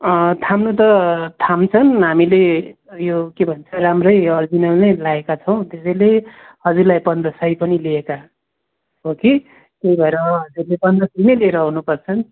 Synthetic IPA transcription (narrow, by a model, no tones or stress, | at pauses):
ʌt̪ʰamnut̪̬ʌt̪ʰamt͡sʰʌnɦamile | jokebʱʌnt͡sʰʌɾamrʌjʌrd͡zinʌlnejlaekat͡sʰʌw̃t̪esʌjle | hʌd͡zuɾlajpʌnd̪ɾʌsʌjpʌnilieka | ɦoki | t̪eibʱʌeɾʌmʌɦʌd͡zurlepʌnd̪rʌsʌjnʌjlieɾʌɦunupʌrt͡sʰʌn